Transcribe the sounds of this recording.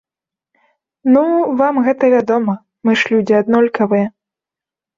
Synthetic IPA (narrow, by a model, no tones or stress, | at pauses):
nuvamɣɛt̪ɐvʲad̪ɔmɐ | mɨʂlʲud͡zʲiad̪nɔlʲkʰɐvɨjɛ